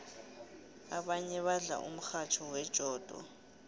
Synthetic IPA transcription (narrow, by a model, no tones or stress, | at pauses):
aɓaɲɛɓaɮa̰ʔṵm̩xat͡ʃʰɔwɛd̥ʒ̥ʱɔːd̥ʱɔ̰